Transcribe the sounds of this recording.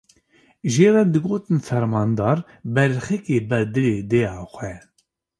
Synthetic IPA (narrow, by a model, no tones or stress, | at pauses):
ʒeːrɛd̪ɨɡoːt̪ɨnfɛɾmɑːnd̪ɑːɾ | bɛɾxɛkeːbɛd̪ɨleːd̪eːjɑːxʷɛ